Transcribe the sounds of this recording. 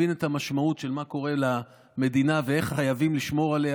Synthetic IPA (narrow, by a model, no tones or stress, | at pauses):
ine̞tamaʃmautʃe̞lmako̞ʁe̞la | me̞d̪inavee̞χχajavimliʃmo̞ʁale